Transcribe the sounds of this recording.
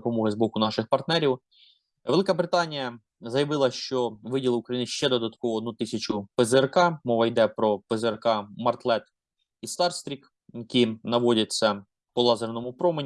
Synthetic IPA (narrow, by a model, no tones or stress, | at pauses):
pɔmɔɦɪzbɔkʊnɑʃɪxpɐrt̪nɛɾʲiw | ʋelˠɪkɐbɾɪt̪ɑnʲijɐ | zɐjɐʋɪlˠɐʃt͡ʃɔʋɪdʲilˠukɾɐjinɪʃt͡ʃɛd̪ɔd̪ɐt̪kɔʋɔːd̪nut̪ɪsʲɐt͡ʃʊpezerkɑmɔʋɐjd̪ɛpɾɔpezerkɑmɐrt̪lˠɛt̪ | ist̪ɑrst̪ɾʲik | jɐkʲinɐʋɔdʲɐt͡sʲːɐ | pɔlˠɑzernɔmʊpɾɔmenʲ